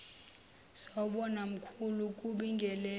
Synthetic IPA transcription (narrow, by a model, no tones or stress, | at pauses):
saɓɔnam̩kʰuluk̬ʼuɓiŋɡʱɛlɛ